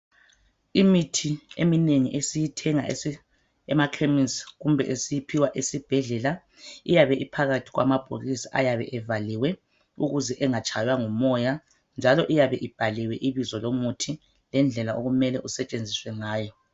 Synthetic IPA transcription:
imitʰiemineŋiʔesijitʰɛŋa̰ | ɛmakʰeminsɣumbʱɛ̰ʔesijipʰiwaʔesib̥ʱɛɮɛla | ijaβɛʔipʰaɣatʰi̥ɣwa̰mab̥ʱoɣisiʔa̰jaβɛ̰ʔɛvaliwɛ | ṵɣuzɛʔɛŋat͡ʃʰʼajwaŋumɔja | nd͡ʒʱalɔʔijaβɛʔib̥ʱaliwɛʔiβizɔlomutʰi | lɛnd͡ɮʱɛlaʔoɣumɛlɛʔusɛt͡ʃʼend͡zʱiswɛŋaːjɔ

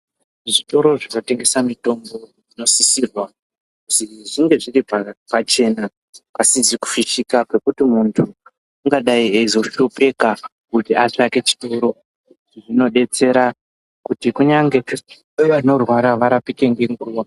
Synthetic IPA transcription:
ʐito̞ɾo̞ʐinote̞ŋɡe̞samito̞mbo̞ʐino̞sisirwa | kusiʐiŋɡe̞ʐiripapat͡ʃe̞ːna | kasiziku̥fiʃikakwe̞kutimuntʰu | uŋɡaɗaieizo̞ʃope̞ka | kutiat͡ʂake̞t͡ʃi̥toɾo̞ | ʐino̞ɗe̞t͡se̞ɾa | kutikuɲaŋɡe̞ | eʋano̞rwaɾaʋaɾapike̞ŋɡe̞ŋɡuːwa

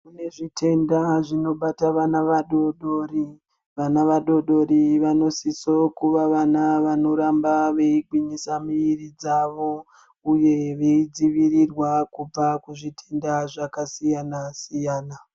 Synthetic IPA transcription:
mune̞ʐitʰe̞ndaʐino̞ɓataʋanaʋaɗo̞ɗo̞ːɾi | ʋanaʋaɗo̞ɗo̞ɾiʋano̞siso̞kuʋaʋanaʋano̞ɾambaʋe̞iɡʱwiɲisamiirid͡zaʋo̞ | uje̞ʋe̞id͡ziʋirirwakub͡vakuʐitʰe̞ndaʐakasijanasijaːna

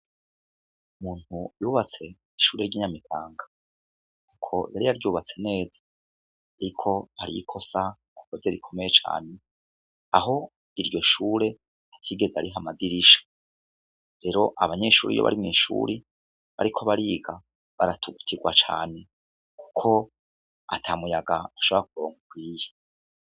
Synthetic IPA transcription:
umuːn̥hujuːβat͡se̞ | iʃuːɾe̞ɾɟiːɲamitʰaːŋɡa | kukʰo̞jaɾijaɾɟuːβat͡se̞ne̞ːzḁ | aɾikʰo̞haɾḭjikʰo̞sa | akozeɾikʰo̞meje̞t͡ʃa̰ːne̞ | aɦo̞ | iɾjo̞ʃuːɾe̞ | atʰiːɡe̞zaaɾiɦamaɡiɾiʃḁ | ɾe̞ɾo̞ʔa̰βaɲe̞ʃuːɾḭjo̰βa̰ɾimŋiːʃṵːɾi | βa̰ɾikʰoβaɾiɡa | βaɾatʰuɡu̥tʰiɡwa̰t͡ʃa̰ːne̞ | ku̥kʰo̞ | a̰tʰaːmujaɡaaʃoβoɾak̚uɾo̞ːŋɡukwiːje

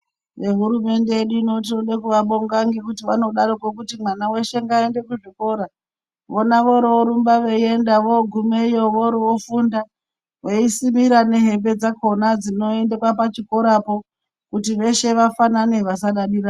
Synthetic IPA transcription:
ʋe̞ɦuɾume̞nde̞jeɗuino̞tioɗekuʋaɓo̞ŋɡaŋɡikutiʋano̞ɗaɾokwok̬utimwanawe̞ʃe̞ŋɡaende̞kuʐiko̞ɾa | ʋonaʋoɾooɾumbaʋeie̞ndaʋoɡʱumeijo̞ʋoɾoofunda | ʋoisimiɾane̞ɦe̞mbe̞d͡zako̞nad͡zino̞e̞ndekwapat͡ʃiko̞ɾapo̞ | kutiʋe̞ʃe̞ʋafanane̞ʋas̬aɗaɗiɾa

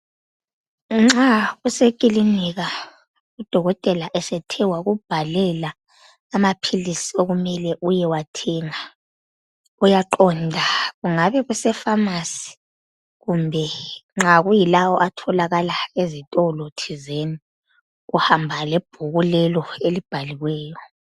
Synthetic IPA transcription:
ŋ͡ǁaɣusekʼiliniɣa | ud̥ʱɔɣɔtʼɛlaʔɛsɛtʰɛwaɣub̥ʱalɛlaː | mapʰilisioɣumɛlɛʔujɛwatʰɛŋa | ujaǃɔndʱaɣuŋaβɛɣusɛfamasi̥ | ɣumbʱɛŋ͡ǁaɣujilawɔʔatʰɔlaɣalaezitʼɔlotʰizeni | ɣuhambʱalɛb̥ʱuɣulɛlɔelib̥ʱaliwɛːjɔ

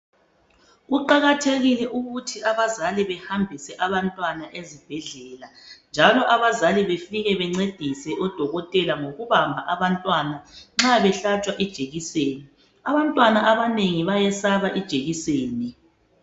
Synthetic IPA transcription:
ɣuǃaɣatʰeɣilɛʔuɣutʰiaβazaliβɛhambʱisɛʔaβantʼwanaʔezib̥ʱɛɮɛːland͡ʒʱalɔʔaβazaliβefiɣɛβɛŋ͡ǀed̥ʱisɛʔɔd̥ʱɔɣɔtʼɛlaŋoɣuβambʱaʔaβantʼwanaŋ͡ǁaβɛɬat͡ʃʼwaʔid̥ʒ̥ʱeɣiseːni | aβantʼwanaʔaβaneŋiβajɛsaβaʔid̥ʒ̥ʱeɣiseːni

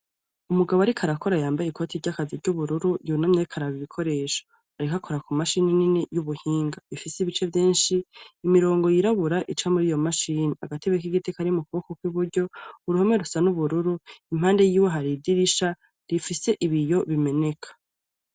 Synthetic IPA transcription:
umuɡaβo̞aɾikʰaɾako̞ɾajaːmbajekʰo̞tʰiɾɟakaziɾɟuβuɾuɾujunamɲeɾikʰaɾaβiβikʰo̞ɾe̞ːʃo̥ | aɾikakʰo̞ɾakumaʃinininijuβuhiːŋɡaβifiseiβit͡ʃe̞vjeːnʃiːmiɾo̞ːŋɡo̞jiɾaβuɾaʔit͡ʃamuɾijo̞maʃiːniaɡateɡek̬iɡitʰekaɾimukuβokokwiβuɾɟo̞uɾuheme̞ɾusanuβuɾuɾuimhaːnde̞jiːwe̞ɦaɾidiɾiʃa | ɾifise̞ʔiβijo̞βime̞ne̞kʰḁ

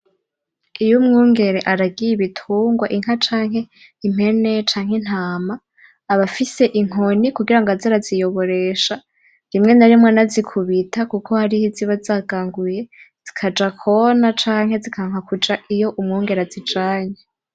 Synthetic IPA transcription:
ijumŋuːŋɡe̞ɾeʔaɾaɡijiβitʰuːŋɡwaʔiŋ̥hat͡ʃaːŋ̥he̞ | im̥e̞ne̞t͡ʃaːŋhen̥haːmaː | βafise̞ʔiŋ̥o̞nikuɡiɾaŋɡazaɾazijo̞βo̞ɾe̞ʃa | ɾimŋe̞naɾimŋonazikʰuβitʰakukʰo̞haɾihiziβazaːɡaːŋɡuje̞ | z̥ikʰad͡ʒakʰonat͡ʃaːŋ̥he̞zikʰaŋ̥akud͡ʒaʔijo̞ʔumŋuːŋɡe̞ɾeazid͡ʒaːɲe

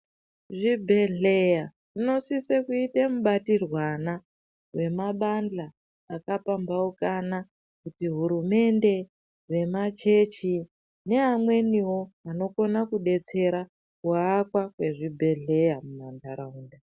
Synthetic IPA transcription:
ʐibʱe̞ɮeja | ʐino̞sisekuitemuɓatirwana | we̞maɓand͡ɮaː | kapambaukana | kutiɦuɾume̞nde̞ | ʋe̞mat͡ʃe̞t͡ʃi | ne̞amwe̞niwo̞ano̞ko̞nakuɗe̞t͡se̞ɾa | kuaakwakwe̞ʐibʱe̞ɮe̞jamumandaɾauːnda

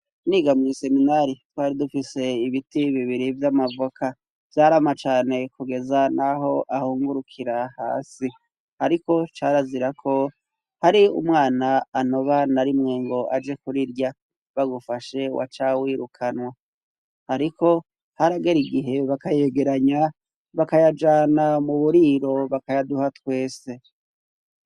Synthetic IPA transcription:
niːɡamɲise̞minaɾitwaːɾidufise̞iβitiβiβiɾivjamavokʰa | v̥jaːɾamat͡ʃaːne̞kuɡe̞zanaɦo̞ʔahuːŋɡuɾukʰiɾaha̰ːsi | haɾiko̞t͡ʃaɾaziɾakʰo̞ | haɾiṵmŋaːnaːno̞βanaɾimŋe̞ŋɡo̞ʔad͡ʒe̞kuɾiɾja | βaɡufaʃe̞wʔa̰t͡ʃawiːɾukʰanwa | haɾiko̞ | haɾaɡe̞ɾiɡiɦe̞βakaje̞ɡe̞ɾaɲa | βakajad͡ʒaːnamuβuɾiɾo̞βakajaduhatwe̞ːse̞

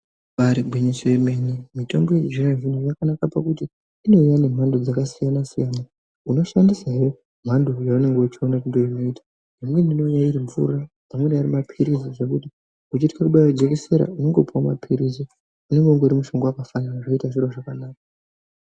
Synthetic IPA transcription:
ʋaɾibʱwiɲisojemenimito̞̰mbo̞jed͡ʒiravinojakanakapakutiː | no̞ujane̞m̤andod͡zakasijanasijana | uno̞ʃandisajo | m̤ando̞jaune̞ŋɡeut͡ʃionaindoino̞itḁ | d͡zimwe̞ndino̞jaiɾiɱvṵrabamwenaaɾimapʰiɾisiʐekuti | ut͡ʃitikakuɓajod͡zekese̞ɾa̰une̞ŋɡepuwama̰pʰiɾisi | une̞ŋɡe̞uŋɡeuɾimuʃo̞ŋɡoakafanaʐoitaʐiɾoʐakanaːk̚a

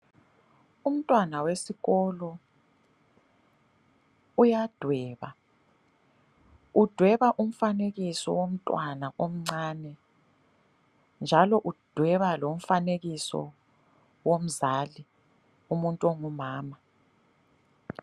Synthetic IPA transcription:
um̩tʼwanawesiɣɔlɔ | ujad̥ʱwɛːβa | ud̥ʱwɛβaʔum̩faneɣisɔ̰wom̩tʼwanaʔom̩ŋ͡ǀaːnɛ | nd͡ʒʱalɔʔud̥ʱwɛβalom̩faneɣisɔ̰ | wom̩zaːli | umuntʼuɔŋumaːma

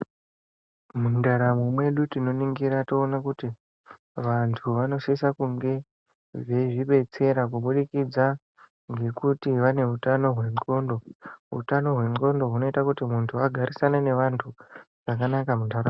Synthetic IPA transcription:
mundaɾamomwe̞ɗutino̞niŋɡiɾatoːnakuti | ʋantʰuʋano̞ʃesakuŋɡe̞ | ʐe̞ʐiɓe̞t͡se̞ɾak̬uɓuɗikid͡za | ŋɡe̞kutiʋane̞ɦutano̞ɦwe̞ŋ͡ǃo̞ndo̞ɦṵtano̞ɦwe̞ŋ͡ǃo̞ndo̞ɦuno̞itakutimuntʰuaɡʱaɾʔisanane̞ʋantʰu | ʐ̥ak̬anakamundaɾam

